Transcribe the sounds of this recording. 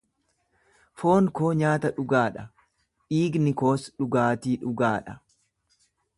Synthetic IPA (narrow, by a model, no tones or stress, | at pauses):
foːŋko̞ːɲaːt̪ɐᶑʊɡaːᶑɐ | ᶑiːɡnɪkoːsᶑʊɡaːt̪iːᶑʊɡaːᶑɐ